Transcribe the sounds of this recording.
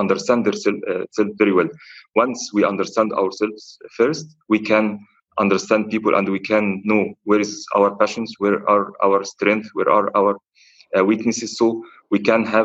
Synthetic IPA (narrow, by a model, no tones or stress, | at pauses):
ɑ̃ndəɾst̪æ̃nd̪ðəɹsɛsɛlfvɛɹiwɛlwɑ̃nswiːʔɑ̃ndəɾst̪æ̃nd̪a̰ʊəɹsɛlvz̥fɛɹst | wiːkʰæ̃n | ʔʌ̃ndəɾst̪æ̃nd̪̚piːpəlʔæ̰̃ndwiːkʰæ̃nːoːweɾɪzʔa̰wəɹpæʃə̃nsweɹaɹʔa̰wəɹst̪ɾɛ̃ŋk̚θwḛɹʔɑɹʔawəɹ | wiːknɪsɪz̥so | wiːkæ̃nɦæ